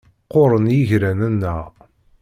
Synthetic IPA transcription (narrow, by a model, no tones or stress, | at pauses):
qoʊɾˤənjiʝɾænənːəʁ